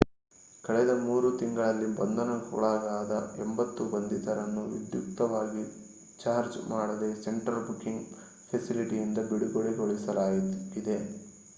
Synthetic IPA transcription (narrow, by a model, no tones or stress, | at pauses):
kɐɭɛd̪ɐmuːɾut̪iŋɡɐɭɐlːibɐnd̪ɐnɐkṵːɭaːɡaːd̪ɐɛmbɐt̪ːubɐnd̪it̪ɐɾɐnːuʋḭd̪juk̚t̪ɐʋaːɡi | t͡ʃaːɾd͡ʒmaːɽɐd̪eseɳʈɾɐlbukːiŋɡ | pʰesiliʈijind̪ɐɡoɽiɡoɽiɡoɭisɐlaːjid̪e̞